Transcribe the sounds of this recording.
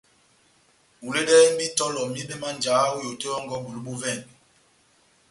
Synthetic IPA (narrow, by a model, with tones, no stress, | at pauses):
u˨le˦ɗɛ˦i˦bi˦tɔ˦lɔ˨mi˦ɓe˦ma˦nd͡ʒaː˨˦u˦jo˨te˦ɔ˦ŋɡɔ˦bu˨lu˦ɓu˦vɛ˦˨n